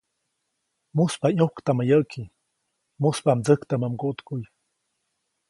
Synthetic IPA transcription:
muspaɲuhkt̪amajəʔkʰi | muspamd͡zəkt̪amamɡuʔt̪kuj

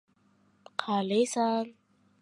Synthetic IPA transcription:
qʰalesan

